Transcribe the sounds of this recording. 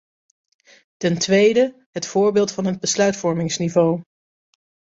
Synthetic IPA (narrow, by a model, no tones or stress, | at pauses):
tɛntʋejdə | ɦətfʊːɹbɪːlˠtfɑnɦəd̚bəslœɥtfɔɹmɪŋsnivow